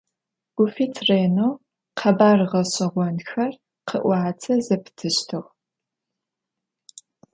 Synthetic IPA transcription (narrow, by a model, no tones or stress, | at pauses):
ɡ̥ʷufiːtʰreːnoː | qʰɐbaːrʁɐɕʼɐʁʷɔnxɐr | qʰəʔʷɑːt͡sʰɐzɐpʰtʰɨɕtʰɨʁʷ